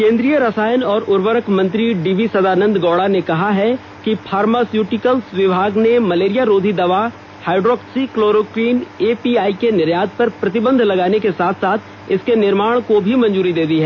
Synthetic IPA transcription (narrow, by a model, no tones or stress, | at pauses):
kẽːnd̪ɾijəɾɐsaːjənɔːɾʊɾʋəɾəkʰmɐ̃nt̪ɾiɖiːʋisɐd̪aːnə̃nd̪ɡɔːɽanekɐɦaɦɛ | kipʰaːɾmaːsjuːʈɪkəlsʋɪbʱaːɡnemɐleːɾijaɾoːd̪ʱid̪ɐʋa | haːɪɖɾɔːksikloːɾoːkɾiːneːpiːaːikenɪɾjaːd̪̚pɐɾpɾɐt̪ɪbə̃nd̪ʱlɐɡaːnekesaːt̪ʰsaːt̪ʰ | ɪskenɪɾmaːɽ̃kobʱimɐ̃nd͡ʒuːɾid̪eːd̪iɦɛː